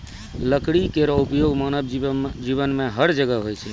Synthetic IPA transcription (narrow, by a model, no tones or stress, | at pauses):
ləkɽikeɾɔupjoɡmanəbd͡ʒiβənmeɦəɽd͡ʒəɡəɦojt͡ʃʰɛ